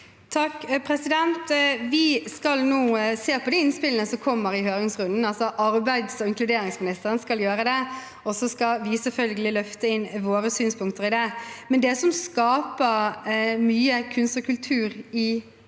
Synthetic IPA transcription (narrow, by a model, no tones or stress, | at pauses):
t̪ʰɑkːpʰɾɛsɪd̪ɛnt̪ʋɪskɑlnuːseːɾpʰɔd̪ɛɪnspɪlənəsɔkʰɔmːəɾɪɦøːɾɪŋsʁʉnd̪n̩ɑlsɔʔɑɾbæɪd̪sɔɪŋklʉd̪eːɾɪŋsmɪnɪst̪əɾənskɑljøːɾəd̪ɛ | ɔsɔskɑʋɪsɛlfœlɡəlɪlœft̪əɪnːʋoːɾəsyːnspʰʊŋkt̪əɾɪd̪ɛmɛnd̪ɛsɔmskɑːpəɾmyːəkʰʉnst̪ɔkʰʉlt̪ʰʉːɾɪ